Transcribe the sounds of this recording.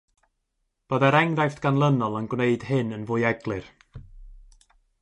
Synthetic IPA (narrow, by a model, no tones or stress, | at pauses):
b̥oðɛɾɛŋðajftɡ̥anlˠənɔlˠənɡwneɨd̥hɪnənvʊɨɛɡlˠɨr